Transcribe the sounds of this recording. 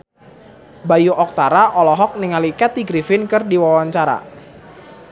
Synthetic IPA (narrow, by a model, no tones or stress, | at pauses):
bajuʔɔk̚t̪aɾaʔɔlɔɦɔk̚nɪŋalikɛt̪̚iɡɾifɪnkɨrdiwawaɲt͡ʃaɾa̰